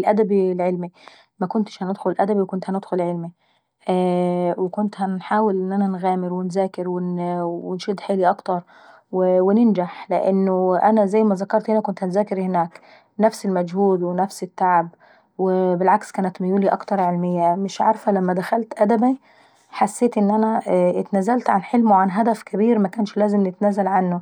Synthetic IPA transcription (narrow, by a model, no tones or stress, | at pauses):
lʔæd̪æbilʕelmi | mækʊnt̪ɪ̥ʃhænɪd̪xʊlʔæd̪æbiwkʊnt̪hænɪd̪xʊlʕelmi | wɪkʊnt̪hænħaːwɪlʔɪnːʔænænɣæːmɪɾwɪnzæːkɪɾwɪnɪnʃiːd̪ħeːliʔɑkt̪ɑɾˤ | wɪwɪnɪnd͡ʒaħlɪʔɪnːʊʔænæzæjːmæzækɑɾˤt̪henækʊnt̪hænzæːkɪɾhɪnæːk | næfsɪlmæd͡ʒhuːd̪wnæfsɪt̪ːaʕab | wɪbɪlʕakskæːnæt̪mɪjuːliʔɑ̰kt̪ɑɾˤʕelmɪjːæmɪʃʕaɾˤfælæmːæd̪æxælt̪ʔæd̪æbi | ħasːeːt̪ʔɪnːʔænæʔɪt̪næːzælt̪ʕanħelmoʕanɦæd̪æfkæbiːɾmækæːnʃlæːzɪmnɪt̪næːzælʕanːʊ